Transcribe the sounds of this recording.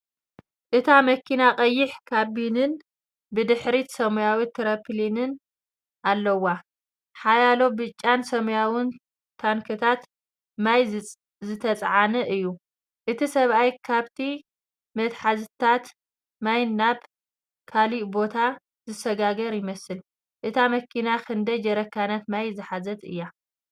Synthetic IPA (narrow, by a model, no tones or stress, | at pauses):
ʔɨt̪ʰamɐkʰinakʼɐjːɪħkʰabinɨn | bɨd̪ɨħɾit̪sɐmujawit̪ʰɐɾɐpʰlinɨn | ʔalːɐwːa | ħajalo̞bɨt͡ʃʼːansɐmɐjawɪn | t̪ʰankʰɨt̪ʰat̪ | maj | zɨt̪ʰɐt͡sʼʕanɨʔɨjːu | ʔɨt̪ʰisɐβʔajkʰaβt̪ʰi | mɐt̪ħazt̪ʰat̪ | majnnːaβ | kʰaliʔbo̞t̪ʰa | zɨsɐɡaɡɐɾjɪmɐsɨl | ʔɨt̪ʰamɐkʰinakʰɨnd̪ɐd͡ʒɐɾɐkːanɐt̪majzɨħazɐt̪ɨ̰jːa